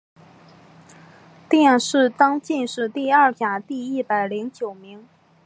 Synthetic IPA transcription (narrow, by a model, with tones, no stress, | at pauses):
t̪jɛ˥˩nʂɻ̩˥˩t̪ɑ˥ŋt͡ɕi˥˧nʂɻ̩˥˧t̪i˥˧ɐ˥˩t͡ɕja˨˩t̪i˥˧i˥˩pa˨˩ɪli˧˥ŋt͡ɕjo˨˩ʊmi˧˥ŋ